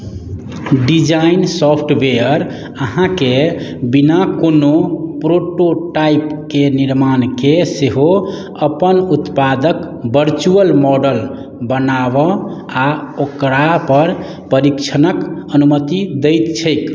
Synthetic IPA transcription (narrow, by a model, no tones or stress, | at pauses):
ɖid͡ʒainsɔpʰʈbeəɾ | əɦãkebinakonopɾoʈoʈaipkeniɾmankeseɦo | əpənut̪pad̪ək | bəɾt͡ʃuəlmɔɖəl | bənabə | aokɾapəɾ | pəɾikt͡ʃʰənəkənumət̪id̪əjt̪t͡ʃʰəjk